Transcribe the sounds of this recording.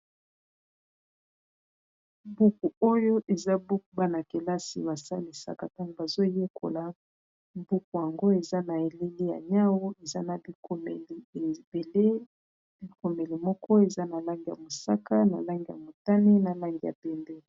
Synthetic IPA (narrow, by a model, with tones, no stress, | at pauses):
bu˦ku˨o˦jo˦ʔe˨za˦bu˦ku˨ba˦na˨ke˨la˦sḭ˨βa˨sa˦li˨sa̰˨ka˨ta˦ŋɡo˨ba˨zo˦je˦kʰo̰˨la˨ | bu˦ku˨ja˨ŋɡo˦e˨za˦na˨e˨le˦li˦ja̰˨ɲa˦wu˦e˨za˦na˨bko˨me˨li˨be˨le˦ | bi˨ko˨me˨li˨mɔ˦kɔ˦e˨za˦na˨la˦ŋɡi˨ja̰˨mo˨sa˦ka˦na˨la˦ŋɡi˨ja̰˨mo˨ta˦ne˦na˨la˦ŋɡi˨ja̰˨bɛ˨ndɛ˦